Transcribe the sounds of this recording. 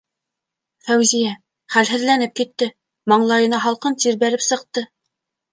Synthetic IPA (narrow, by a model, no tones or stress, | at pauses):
fæwzijæ | χælɦɘ̆ðlænɘp̚kit̪ːɘ | mɑɴlˠɑjɤ̆nɑɦɑlˠqɤnt̪iɾbæɾɘpsɤ̆q̚t̪ɤ